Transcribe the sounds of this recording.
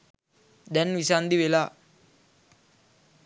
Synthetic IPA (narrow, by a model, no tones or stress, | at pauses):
d̪ænʋisaːnd̪iʋelaː